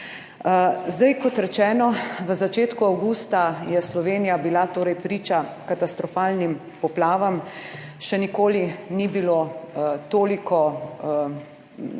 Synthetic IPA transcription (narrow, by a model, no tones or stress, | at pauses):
zd̪ajkɔt̪ɾɛt͡ʃɛːnɔʋəzat͡ʃeːt̪kuawɡuːst̪ajɛslɔʋeːnijabilat̪oːɾɛjpɾiːt͡ʃakat̪ast̪ɾɔfaːlnim | pɔplaːʋamʃɛnikoːlinibilot̪oːlikɔ